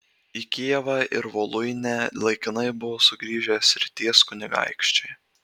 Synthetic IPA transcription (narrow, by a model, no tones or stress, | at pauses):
ikʲiɛʋɑːʔɪɾʋoːlˠʊɪnʲɛlˠɐɪkʲɪnɐɪbʊʋoːsʊɡɾʲiːʒʲɛsʲɾʲɪt̪ʲiɛskʊnʲɪɡɑ̰ɪkʃʲt͡ʃʲɛɪ